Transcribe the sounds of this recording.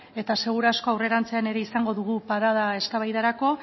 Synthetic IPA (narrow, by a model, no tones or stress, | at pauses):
e̞t̪ase̞ɣ̞uɾasko̞awre̞ɾant͡se̞ane̞ɾe̞isaŋɡo̞ðuɣupaɾað̞ae̞skaβajðaɾako̞